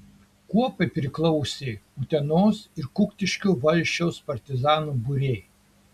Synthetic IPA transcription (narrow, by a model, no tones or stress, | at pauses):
kuɔpɐɪpʲɾʲɪklˠɔʊsʲeːut̪ʲɛnoːsɪɾkʊkt̪ʲɪʃʲkʲuːʋɐlʲʃʲt͡ʃʲɛʊspɐɾʲt̪ʲɪzɑːnuːbʊɾʲeɪ